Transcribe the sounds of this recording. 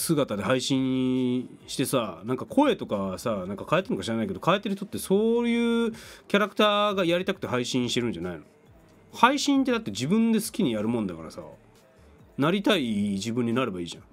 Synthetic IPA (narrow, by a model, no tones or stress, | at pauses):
sɨɡat̪ad̪e̞haiɕĩɰ̃ | ɕi̥t̪e̞sanãŋkakʰo̞e̞t̪o̞kasanãŋkakaet̪ːenokaɕiɾanaike̞d̪o̞kaet̪ːeɾɯt̪o̞t̪ːe̞so̞ːjɯ̟ːkʲaɾakɯ̥t̪aːɡajaɾʲit̪akɯ̟t̪eɦaiɕĩɰ̃ɕi̥t̪e̞ɾɯ̟nɲ̟d͡ʑanaino̞̰ | haiɕĩnt̪ːe̞d̪at̪ːe̞d͡ʑibɯ̟̃nd̪e̞sɨ̥kʲiɲ̟ijaɾɯ̟mõ̞nd̪akaɾa̰sa̰ | naɾʲit̪aid͡ʑibɯ̟̃ɲ̟ːinaɾe̞baiːʑã̰